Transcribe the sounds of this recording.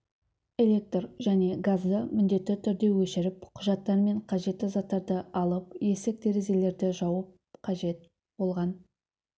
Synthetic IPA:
e̞lʲe̞k̚t̪rʒæne̞ɡazd̪əmɪnd̪e̞t̪ːɪt̪ʰʏɾd̪e̞wɵʃɪɾɪpqʰʊʒɑt̪ːɑɾme̞ɴqʰɑʒe̞t̪ːɪzɑt̪ːɑɾd̪əɑlˠəp̚je̞sek̚t̪e̞ɾeze̞le̞ɾd̪ɪʒɑwəp̚ | qʰɑʒe̞t̪̚ | b̥o̞lˠʁɑn

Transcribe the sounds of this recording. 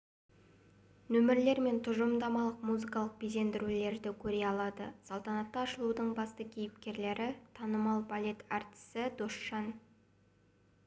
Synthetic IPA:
nɵmɪɾle̞ɾme̞nt̪ʰʊʒəmd̪ɑmɑlˠəqmuzikɑlˠəq̚bize̞nd̪ɪɾule̞ɾd̪ɪkʲʰɵɾe̞ɑlˠɑd̪ə̰sɑlˠt̪ɑnɑt̪ːɑːʃəlˠud̪əɴbɑst̪əkʲʰejɪp̚kʲe̞ɾle̞ɾɪt̪ʰɑnəmɑlˠbalʲe̞t̪ɑɾt̪ɪ̥sɪd̪oʃːɑn

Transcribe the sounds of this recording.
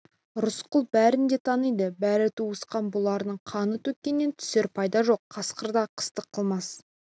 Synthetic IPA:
ɾʊsqʊlˠbæɾɪnd̪e̞t̪ʰɑnijd̪əbæɾɪt̪ʰuwəsqɑnbʊlˠɑɾnəɴqʰɑnət̪ʰɵk̚ʲkʲːe̞nːe̞nt̪ʰʏ̥seɾpʰɑjd̪ɑʒo̞qʰːɑsqəɾd̪ɑqʰə̥st̪əqʰːəlˠmɑs

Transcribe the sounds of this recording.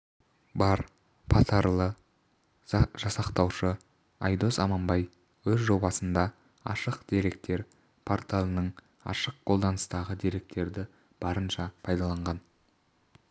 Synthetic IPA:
bɑɾ | pʰɑt̪ʰɑɾlˠə | ʒ̥ɑsɑqt̪ɑwʃə | ɑjd̪o̞sɑmɑmbɑj | wɵzʒo̞bɑsənd̪ɑ | ɑ̰ʃəqd̪e̞ɾe̞k̚t̪e̞ɾ | pʰoɾt̪alˠənəɴ | ɑ̰ʃəq̚qʰo̞lˠd̪ɑnəst̪ɑʁəd̪e̞ɾe̞k̚t̪e̞ɾd̪ɪ | b̥ɑɾənʃɑpʰɑjd̪ɑlˠɑɴʁɑn

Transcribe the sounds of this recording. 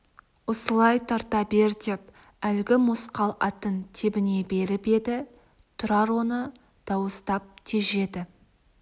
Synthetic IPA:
wosəlˠɑjt̪ʰɑɾt̪ɑbe̞ɾd̪ʲep̚ | ælɡʲɪmʊsqɑlˠɑ̰t̪ənt̪ʰebɪne̞be̞ɾɪpe̞d̪ɪ | t̪ʰʊɾɑɾwo̞nə | d̪̥ɑwəst̪ɑp̚t̪ʲʰeʒe̞d̪ɪ

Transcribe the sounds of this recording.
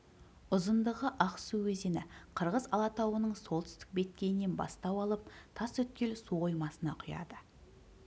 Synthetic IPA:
ʊzənd̪əʁəʔɑqsuwɵzenɪqʰəɾʁəzɑlˠɑt̪ɑwənəɴsolˠt̪ʏ̥st̪ɪ̥k̚be̞t̪̚kʲe̞j̪ɪne̞nbɑ̰st̪ɑwɑlˠəp̚t̪ʰɑswɵt̪̚kʲe̞lsuʁojmɑsənɑqʰʊjɑ̰d̪ə

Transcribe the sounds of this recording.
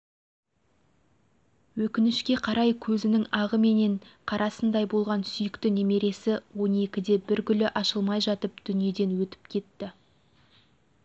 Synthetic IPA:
wɵkʲɪnɪʃkʲe̞qʰɑɾɑjkʲʰɵzɪnɪŋɑʁəme̞ne̞ɴqʰɑɾʔɑsənd̪ɑjbo̞lˠʁɑnsʏjɪkt̪ɪneme̞ɾe̞sɪwo̞ne̞kʲɪd̪e̞bɪɾɡʲʏlɪʔɑʃəlˠmɑjʒɑt̪əpd̪̥ʏnije̞d̪e̞nwɵt̪ɪ̥p̚kʲʰe̞t̪ːɪ

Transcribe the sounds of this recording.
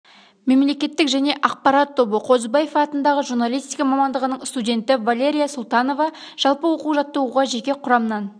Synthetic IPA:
me̞mle̞kʲe̞t̪ːɪkʒæne̞ʔɑq̚pɑɾɑt̪ʰːo̞bəqʰo̞zbajefɑt̪ənd̪ɑʁəʒurnalʲˠijst̪ijkɑmɑmɑnd̪əʁənəɴst̪udʲe̞nt̪ɪvalʲe̞ɾʲijasʊlˠt̪ɑno̞vɑ | ʒ̥ɑlˠpəwo̞quwʒɑt̪ːəuʁɑʒekʲe̞qʰʊɾɑmənɑn

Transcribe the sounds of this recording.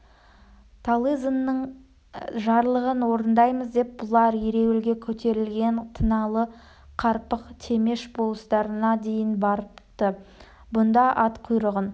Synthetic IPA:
t̪ʰalˠizənːəɴ | ʒɑɾlˠəʁənwoɾənd̪ɑjməzd̪e̞p̚bʊlˠɑɾiɾe̞wɪlɡʲe̞kʲʰɵt̪e̞ɾɪlɡʲe̞nt̪ʰənɑlˠə | qʰɑɾpəqt̪ʰe̞me̞ʃbolˠəst̪ɑɾənɑd̪e̞jɪnbɑɾəpt̪ə | bʊnd̪ɑʔɑt̪qʰʊjɾəʁən

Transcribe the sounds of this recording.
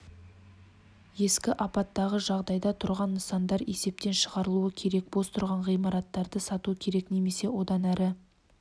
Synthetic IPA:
je̞skʲɪʔɑpɑt̪ːɑʁəʒɑʁd̪ɑjd̪ɑt̪ʰʊɾʁɑnːəsɑnd̪ɑɾe̞̰se̞p̚t̪e̞nʃəʁɑɾəlˠuəkʲʰe̞ɾe̞k̚bost̪ʰʊɾʁɑɴʁijmɑɾɑt̪ːɑɾd̪əsɑt̪uəkʲʰe̞ɾe̞kne̞me̞se̞wo̞d̪ɑnæɾɪ

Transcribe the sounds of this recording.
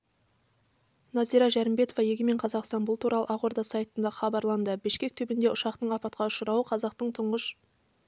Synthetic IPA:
nɑzijɾɑʒæɾɪmbe̞t̪ovɑje̞ɡʲɪme̞ɴqʰɑzɑqst̪ɑnbʊlˠt̪ʰuɾʔɑlˠə̰ʔɑʁoɾd̪ɑsɑjt̪ənd̪ɑχɑbɑɾlˠɑnd̪əbɪʃkʲe̞k̚t̪ʰɵbɪnd̪e̞ʊʃɑqt̪əɴɑpɑt̪̚qɑʊʃəɾɑwəqʰɑzɑqt̪əɴt̪ʰʊɴʁəʃ

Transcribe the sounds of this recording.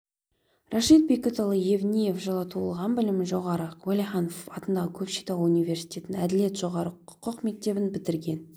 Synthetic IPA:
raʃit̪̚bekʲet̪olˠəjevnʲije̞fʒɑlˠɑt̪ʰuəlˠʁɑnbɪlɪmɪʒo̞ʁɑɾəwolʲiχɑnofɑt̪ənd̪ɑʁəkʲʰɵpʃet̪ɑwunijvʲe̞ɾsi̥jt̪ʲe̞t̪ɪnæd̪ɪle̞t̪ʒo̞ʁɑɾəʊ̥qʰəqme̞k̚t̪e̞bɪnbɪt̪ɪɾɡʲe̞n

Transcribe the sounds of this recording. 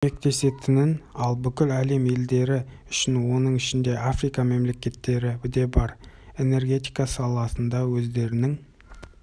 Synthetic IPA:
me̞k̚t̪e̞se̞t̪ʰɪnɪnɑlˠbʏkʲɪlæle̞me̞ld̪e̞ɾɪ | ʏʃɪnwo̞nəɴɪʃɪnd̪e̞afɾijkɑme̞mle̞kʲe̞t̪ːe̞ɾɪbɪd̪e̞bɑɾ | e̞ne̞rɡʲe̞t̪ijkɑsɑlˠɑsənd̪ɑwɵzd̪e̞ɾɪnɪŋ

